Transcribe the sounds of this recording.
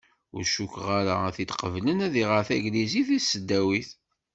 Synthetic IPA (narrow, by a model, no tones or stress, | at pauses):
ʊ̰ɾʃukʁaɾaæθit̪qəvlənæðiʁəɾθæ̰ɡliziθisəd̪ːæwiθ